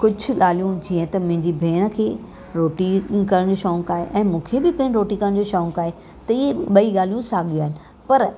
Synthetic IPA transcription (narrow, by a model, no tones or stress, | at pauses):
kʊd͡ʑʱʊ̆laːl̤ijũd͡ʑiːə̃t̪ɐmʊ̃ɦɪ̃ɲd͡ʑibʱeːɽ̃ə̆kʰeː | ɾoːʈikɐɾəɽ̃d͡ʑoːʃɔːŋkaːɦḛʔɛ̃ːmũːkʰebɪpɐ̃ɦɪ̃nɾoːʈĩkɐɾəɽ̃d͡ʑoʃɔːŋkaːɦe | t̪ɐieɓɐiɠaːl̤ijũsaːɠijũaːɦɪnɪ̆ | pɐɾ